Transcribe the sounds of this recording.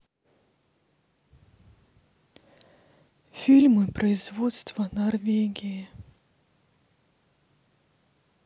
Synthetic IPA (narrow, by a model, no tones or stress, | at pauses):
fʲilʲmɨpɾɐɪzvɔt̪st̪vɐnɐrvʲeɡʲijɪ